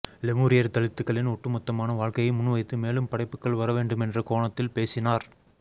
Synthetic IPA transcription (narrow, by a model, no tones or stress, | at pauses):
lɛmuːɾɪjɐɾt̪ɐɭɯt̪ːɯkːɐɭɪnɔʈːɯmʊt̪ːɐmaːnɐʋaːɻkɐjɐmʊnːɯʋɐɪt̪ːɯmeːlɯmpɐɽɐɪpːɯkːɐɭʋɐɾɐʋeːɳɖɯmɛndrɐkoːɳɐt̪ːɪlpeːsɪnaːɾ